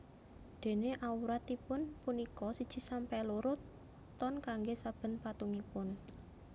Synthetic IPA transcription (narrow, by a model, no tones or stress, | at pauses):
d̪̥e̤neʔauɾat̪ipʊnpunikɔsid̥ʒ̥i̤sampɛluɾʊt̪ː | ɔnkaŋɡesab̥ə̤npat̪uŋipʊn